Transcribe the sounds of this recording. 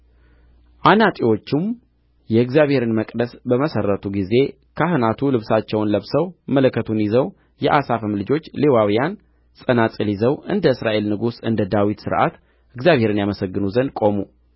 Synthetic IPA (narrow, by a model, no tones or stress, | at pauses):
ʔanat̪ʼiwo̞t͡ʃːɪm | jɛɨɡzijaβhe̞ɾɨnməkʼd̪əsbəməsərːət̪ʰuɡize̞ | kʰaɦɨnat̪ʰulɨβsat͡ʃːɛwnləβsəwmələkːət̪ʰunjizəw | jɛʔasafəmlɨd͡ʒo̞t͡ʃːlewawijan | sʼənat̪ʼilizəwɨnd̪əɨsɾaʔe̞lnɨɡusɨnd̪əd̪awit̪sɨ̰ɾʔa̰t̪ | ʔɨɡzjaβhe̞ɾɨnjaməsəɡːɨnuzənkʼo̞mu